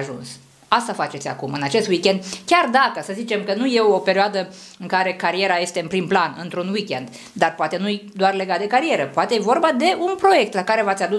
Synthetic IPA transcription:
ʒṵns | ast̪afat͡ʃe̞t̪sʲa̰kumɨnat͡ʃe̞st̪wikʲe̞nd̪kʲard̪akəsəzit͡ʃe̞mkənuje̞ope̞ɾioad̪ə | ɨŋkaɾe̞kaɾie̞ɾaje̞st̪e̞ɨnpɾimplanɨnt̪ɾunwikʲe̞nd̪ | d̪arpoat̪e̞nujd̪oarle̞ɡat̪̚d̪e̞kaɾie̞ɾəpoat̪ejevo̞rbad̪e̞ʔunpɾo̞je̞k̚t̪lakaɾe̞vat̪sʲad̪u

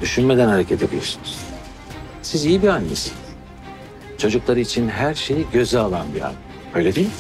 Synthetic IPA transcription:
d̪yʃynmed̪ænhaɾecʰet̪ʰebʲilʲiɾsynyz̥ | sizijibianːḭsinz̥ | t͡ʃʰo̞d͡ʒuklˠaɾɯit͡ʃʰinɦæɾʃe̞jiɟø̞zɛalˠanbia̰nːɛ | ø̞jlʲed̪i

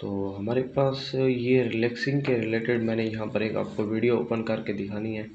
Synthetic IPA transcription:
t̪oːɦɐmaːɾepaːsjeɾɪlɛksɪ̃ŋɡkeɾɪleːʈɪɖmɛ̃ːnejɐɦãpɐɾeːka̰ːp̚koʋiːɽijoo̰ːpənkɐɾked̪ɪkʰaːniɦɛː

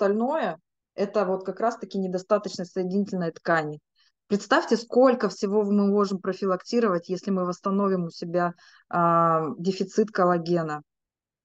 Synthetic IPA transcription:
st̪ɐlʲno̞jə | ɛt̪əvo̞t̪kɐkɾast̪ɐkʲɪnʲɪd̪ɐst̪at̪ət͡ɕnəsəjɪdʲɪnʲitʲɪlʲnəjət̪kanʲɪ | pɾʲɪt̪st̪afʲtʲɪsko̞lʲkəfsʲɪvo̞mɨmo̞ʐɨmpɾəfʲɪlˠɐktʲiɾəvətʲjesʲlʲɪmɨvəst̪ɐno̞vʲɪmʊsʲɪbʲa | dʲɪfʲɪt̪sɨt̪kəlˠɐɡʲe̞nə

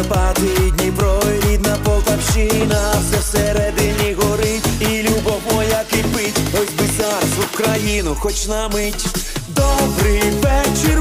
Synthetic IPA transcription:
pat̪ɪdʲnʲipɾɔɾʲit̪ʲnɐpɔlˠt̪ɐwʃɪnɐwsɛwseɾɛd̪ɪnʲiɦɔɾɪilʲubɔmɔjɐkɪpɪtʲɔzʲbɪzart̪ʊwkɾɐjinʊxɔt͡ʃnɐmɪtʲd̪ɔbɾɪjʋɛt͡ʃɪr

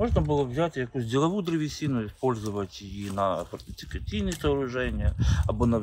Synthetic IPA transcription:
moʐnɐbɨlˠəvzʲætʲjɐkuzʲdʲɪlˠɐʋud̪ɾɨʋʲɪsʲinʊɪspo̞lʲzʊʋɐtʲjɪjinɐpɐɾt̪ʲɪt͡s̪ʲɪ̥kɐtʲijnʲɪt̪ɐɐɾʊʐɛnʲɪjəɐbonɐ

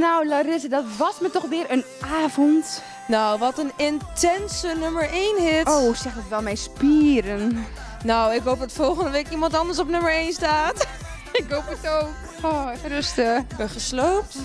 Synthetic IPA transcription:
nawlaɾɪsədɔtʋɔsmətɔxʋɪːɾən | aːvɔnt | nawʋɔtənɪntʰɛnsənøməɹʔeːnɦɪtoːsɛχdətʋɛlˠmɛjspiːɾən | nowɪkɦowp̚dɔtfɔlˠχəndəʋekimɑntɑndəɹs̬ɔpnøməɹejnstaːt | ɪkɦoːpətowk | oərəstəbəχəsloːp̚t

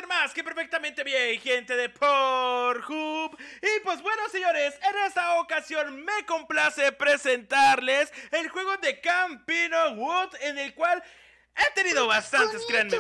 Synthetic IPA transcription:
enmaske̞pe̞ɾfe̞k̚t̪amẽ̞nt̪e̞βjejxe̞nt̪e̞ðe̞pʰoɾxupipwe̞zbwe̞no̞seɲo̞ɾe̞sene̞st̪aokasjo̞nme̞ko̞mplasepɾe̞se̞nt̪aɾle̞selxwe̞ɣo̞ðe̞kampinowud̪e̞ne̞lkwal | e̞t̪e̞niðo̞βast̪ant̪e̞skɾeanme

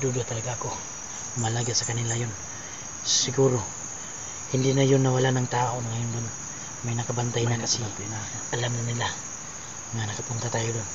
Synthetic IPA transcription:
d̪ud̪at̪ɐlɐɡaɐko̞ | mɐlaːɡasɐkɐnɪlajon | ssɪɡuːɾo̞ | hɪnd̪inɐjonːɐwalanɐŋt̪aːʔoŋɐjond̪on | mɐjnɐkɐbɐnt̪ajnakɐsi | na | ʔɐlamnɐnɪla | ŋanɐkɐpʊnt̪at̪aːjod̪on

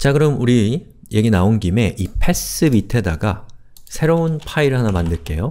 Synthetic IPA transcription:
t͡ɕaɡɯɾʌmuɾi | je̞ɡinaonɡime̞ʔipʰe̞s͈ɯbitʰe̞daɡa | sʰe̞ɾounpʰaiɾɯɭɦanamandɯɭk͈e̞̰jo

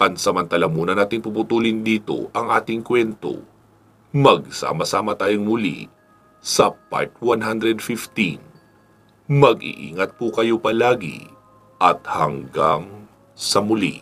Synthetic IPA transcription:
pɐnsɐmɐnt̪ɐlɐŋmuːnɐnaːt̪ɪŋpupʊt̪uːlɪnd̪iːt̪o̰ʔɐŋʔaːt̪ɪŋkwɛnt̪o̞̰ | mɐɡ̚sa̰ːmɐsaːmɐt̪aːjoŋmʊlḭ | sɐpa̰ɹt̪̚wanɦand̪ɾɛd̪fɪft̪in | mɐɡʔḭʔḭːŋɐt̪̚pukɐjo̞pɐlaːɡɪ̰ | ʔɐt̪hɐ̰ŋɡa̰ŋ | sɐmʊlḭ

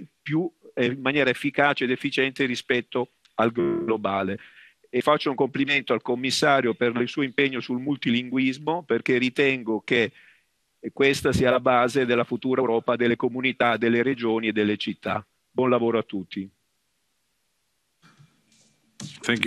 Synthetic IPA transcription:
pjuemːanjɛːɾaefːikaːt͡ʃeːd̪efːit͡ʃɛnt̪eɾispɛt̪ːo | alɡlobaːleː | fːat͡ʃːouŋkompliment̪oalkomːisːaːɾjoperilsuːoimpeɲːosulmult̪iliŋɡwizmoperkerit̪ɛŋɡoke | kːwest̪asiːalabaːzed̪elːafut̪uːɾaɾɔːpad̪elːekomunit̪ad̪elːeɾed͡ʒoːnied̪ːelːet͡ʃit̪ːa̰ | bwɔnlavoːɾoat̪ːut̪ːi | tɛk

